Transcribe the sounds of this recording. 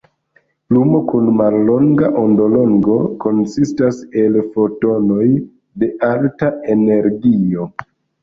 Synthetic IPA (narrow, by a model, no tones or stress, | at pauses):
plumo̞kunmalːo̞ŋɡaʔondo̞lo̞ŋɡo̞ko̞nsistase̞lfo̞to̞no̞j | de̞ʔaltae̞ne̞ɾɡio̞